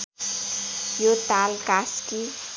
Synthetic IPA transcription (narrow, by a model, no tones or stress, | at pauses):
jot̪alkaski